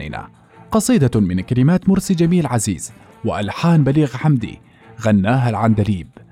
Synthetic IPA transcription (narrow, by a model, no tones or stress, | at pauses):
ɪ̰na̰ː | qɑsˤiːd̪amɪnkalɪmaːt̪mʊɾsid͡ʒamiːlʕazḭːz̥ | wɪʔalħaːnbaliːɣħamd̪ḭ | ɣanːaːɦalʕand̪aliːb